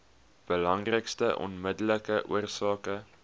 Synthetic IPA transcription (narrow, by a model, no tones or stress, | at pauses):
b̥əlɐŋrəkstəʔɔ̰nmədələkəʔṵərsɑːkə